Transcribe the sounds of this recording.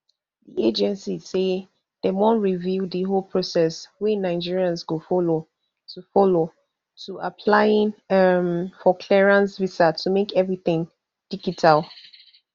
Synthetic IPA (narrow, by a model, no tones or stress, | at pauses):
ðḭed͡ʒɛ̃nsise | ð̥ɛmɔ̃nɹividiɦolpʰɹ̥osɛswɛnaɪd͡ʒiɹiãnsɡofɔlo | tʰufɔlo | tuʔapʰlaɪĩnamfɔkʰlɛɹãnsvisatʰumekɛvɹiθɪ̃ŋ | d̥iɡitʰalˠ